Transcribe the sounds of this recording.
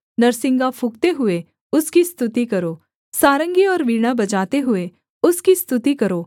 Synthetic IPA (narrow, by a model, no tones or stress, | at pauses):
nɐɾsɪ̃ŋɡapʰʊkt̪eɦʊe | ʊskist̪ʊt̪ikɐɾoː | saːɾə̃ŋɡiɔːɾʋiːɽ̃abɐt͡ʃaːt̪eɦʊe | ʊskist̪ʊt̪ikɐɾoː